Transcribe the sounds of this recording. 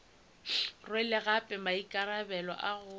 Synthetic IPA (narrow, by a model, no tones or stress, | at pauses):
rwɛlɪɣapʼɛmaikʼaɾabɛlɔ̰ʔaɣʊ